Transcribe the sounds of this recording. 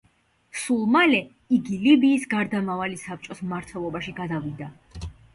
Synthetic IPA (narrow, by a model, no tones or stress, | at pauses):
sulˠmalɛ | iɡilibiːsɡaɾd̪amavalisap̚t͡ʃʼɔsmmaɾt̪ʰwɛlˠɔbaʃiɡad̪avid̪a